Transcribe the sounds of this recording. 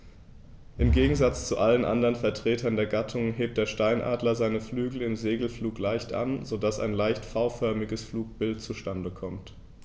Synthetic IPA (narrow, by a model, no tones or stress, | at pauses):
ʔɪmɡeːɡŋ̩zat͡st͡suʔalənʔa̰ndɐʁənfɛɐtʁ̥eːtʰɐndeːɐɡatʰʊŋɦeːp̚td̥eːɐʃtaɪnʔa̰ːdlɐzaɪnəflyːɡl̩ɪmzeːɡl̩fluːklaɪçtʔa̰nzodasa̰ɪnlaɪçtfaʊfœɐmɪɡəsfluːk̚b̥ɪltt͡suʃtandəkʰɔmt